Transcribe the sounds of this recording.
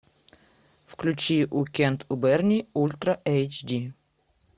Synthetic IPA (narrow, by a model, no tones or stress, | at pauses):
fklʲʉt͡ɕiʔukʲɛnt̪ʰʊbɛrnʲiulʲt̪ɾɐʔɛjt͡ɕdʲi